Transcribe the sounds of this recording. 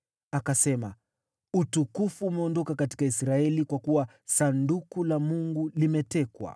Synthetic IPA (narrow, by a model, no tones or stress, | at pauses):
akasɛma̰ | utukufuːmɛɔndɔkakati̥kaisɾaɛlikwakuwa | sandukulamuŋɡulimɛtɛkwa̰